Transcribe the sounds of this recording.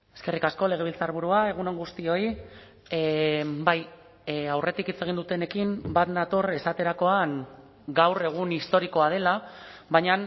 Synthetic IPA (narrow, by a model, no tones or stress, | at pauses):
e̞skerikasko̞le̞ɣ̞e̞β̞ilt͡saɾβ̞uɾuae̞ɣ̞uno̞ŋɡust̪io̞i | baj | awre̞t̪ikit͡se̞ɣind̪ut̪e̞ne̞kimbat̪nat̪ore̞sat̪e̞ɾako̞aŋ | ɡawre̞ɣ̞unist̪o̞ɾiko̞að̞e̞laβajɲan